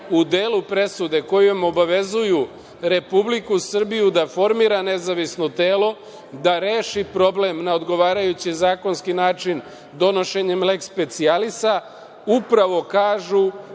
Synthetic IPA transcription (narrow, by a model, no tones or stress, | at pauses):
ud̪eːlupɾe̞sud̪e̞ko̞juamo̞baʋe̞zuju | ɾe̞publikusr̩bijud̪afo̞ɾmiɾane̞zaʋisno̞t̪e̞ːlo̞ | d̪aɾeːʃipɾo̞ble̞mnao̞d̪ɡo̞ʋaːɾajut͡ɕizaːko̞nskinaːt͡ʃin | d̪o̞no̞ʃe̞ɲe̞mle̞kspe̞t̪sialisa | upɾaʋo̞kaːʒu